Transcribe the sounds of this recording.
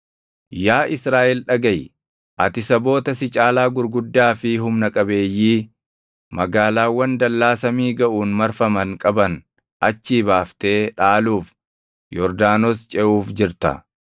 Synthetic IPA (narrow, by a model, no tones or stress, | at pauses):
jaːʔɪsɾaːʔɛlᶑɐɡɐj | ʔɐt̪ɪsɐbo̞ːt̪ɐsɪt͡ʃʼaːlaːɡʊɾɡʊd̪ːaːfɪɦʊmnɐkʼɐbe̞ːjːiː | mɐɡaːlaːwːɐnd̪ɐlːaːsɐmiːɡɐʔuːnmɐɾfɐmɐŋkʼɐbɐn | ʔɐt͡ʃːiːbaːft̪e̞ːᶑaːluːf | jɔɾd̪aːnost͡ʃʼɛʔuːfd͡ʒɪɾt̪ɐ̰